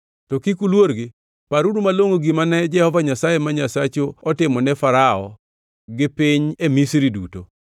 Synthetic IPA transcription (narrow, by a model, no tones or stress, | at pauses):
tɔkikulwoɾɡɪ | paɾudumaloŋoɡimanɛd͡ʒɛhɔvaɲasajemaɲasat͡ʃoːtɪmɔnɛfaɾaɔ̰ | ɡɪpiɲemisɾiduto̰